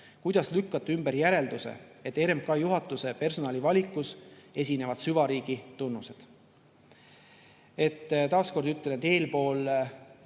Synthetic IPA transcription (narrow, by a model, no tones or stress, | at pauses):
kujd̪̥ɑslykːɑt̪ːˑymbe̞ɾjæɾe̞ld̪usḛet̪ːe̞ɾemp̚kɑjuɦɑt̪ːˑuse̞pe̞rso̞nɑlivɑlʲikːˑuse̞sʲine̞vɑd̪syvɑɾiːɡ̥it̪unːuse̞d̪̥ | e̞t̪ːt̪ɑːsko̞rd̪yt̪ːenet̪e̞ːlpo̞ːl